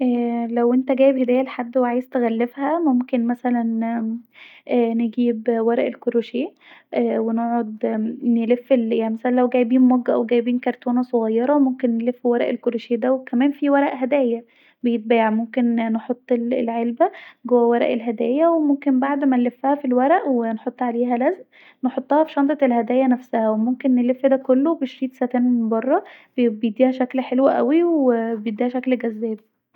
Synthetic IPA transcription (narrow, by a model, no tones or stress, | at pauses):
ʔæːlæwʔent̪æɡæːjebhed̪æːjːæleħad̪ːweʕaːjezt̪eɣælːefhæmomkenmæsælæn | ʔæːneɡiːbwæɾˤæʔelkoɾoʃeːʔ | ʔwenoʕod̪nelefːeljaʕnimæsælænlæwɡæːjbiːnmoɡːæʔæweɡæjbiːnkɑɾˤt̪ʰoːnɑsˤoɣɑjːɑɾˤɑmomkenːelefːwæɾˤæʔelkoɾoʃeːd̪æwekæmæːnfiwæɾˤæʔɦæd̪æːjæ | bejet̪̚bæːjeʕmomkenːeħot̪ˤːellʕelbæɡowːæwæɾˤæ̰ʔelɦæd̪æ̰ːjæwemomkenbaʕd̪mænlefːæhæfilwæɾæʔwenħot̪ˤːʕaleːɦælæzʔ | neħot̪ˤːɑhɑfi̥ʃɑnt̪ˤɑelɦæd̪æːjænæfsæhæwemomkenːelefːd̪ækolːobeʃɾiːt̪sæt̪ænbɑrˤːɑb̥bejed̪ːiːhæʃæklħelwæʔæ̰wiwebejed̪ːiːhæʃæklɡæzːæːb̚